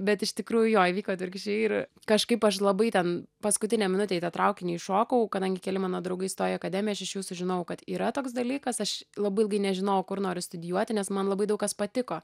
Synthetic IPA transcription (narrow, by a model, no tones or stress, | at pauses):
bʲɛt̪ɪʃt̪ʲɪkɾuːjʊjoːjɪʋʲiːkoːt̪ʲʋʲɪɾʲkʲʃʲɛɪr | kɐʃkɐɪpɐʃlˠɐbɐɪt̪ʲɛnpɐskʊt̪ʲɪnʲɛmʲɪnʊt̪ʲeːit̪ɐt̪ɾɐʊkʲɪnʲɛɪʃoːkɐʊkɐd̪ɐŋʲɡʲɪkʲɛlʲɪmɑːnoːd̪ɾɐʊɡɐɪst̪oːjɪɛɐkɐd̪ʲæːmʲjɛɐʃɪʃjuːsʊʒʲɪnɐʊkɐt̪iːɾɐt̪oːksd̪ɐlʲiːkɐsɐʃlˠɐbɐɪlˠɡɐɪnʲɛʒʲɪnɐʊkʊɾnoːɾʲʊst̪ʊd̪ʲɪjuɔt̪ʲɪnʲɛsmɐnlˠɐbɐɪd̪ɐʊkːɐspɐt̪ʲɪkoː